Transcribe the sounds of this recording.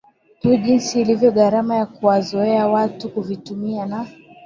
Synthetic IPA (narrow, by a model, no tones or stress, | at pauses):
huʄinsiːlivjɔɠaɾamajakuwazɔɛawatukuvitumiana